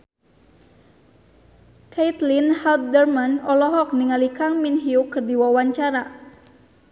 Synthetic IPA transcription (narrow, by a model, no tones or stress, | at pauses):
kʰait̪linhalt̪̚dərmanɔlɔɦɔk̚niŋalikaŋminɦiukɨrdiwawaɲt͡ʃaɾa